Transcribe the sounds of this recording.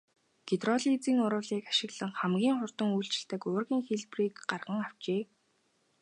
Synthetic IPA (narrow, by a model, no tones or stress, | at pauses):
ɡ̥et̪rɔɮit͡siːŋʊɾʊːɮiːkḁʃɪ̆ɣɮə̆ŋχæmɡʲiːŋχʊr̥t̪ə̆ŋujɬt͡ɕɪ̆ɬt̪ə̆kʊːrɣʲiːŋxeɮpriːkɢarʁə̆ŋaw̥t͡ɕeː